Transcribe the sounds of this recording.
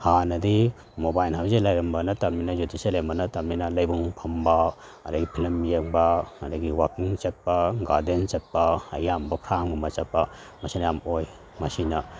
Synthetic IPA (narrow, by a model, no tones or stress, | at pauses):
hanɐdi | mobajlhawzelɐjɾɐmbɐnɐtɐmninɐjutiselembɐnɐtɐmninɐlɐjbuŋpʰɐmbɐɐdɐɡipʰilmjeŋbɐɐdɐɡiwakiŋt͡ʃɐt̚pɐɡaɾdent͡ʃɐt̚pɐːjambɐpʰɾamɡumɐt͡ʃɐpːɐ | mɐsinɐjamoj | mɐsinɐ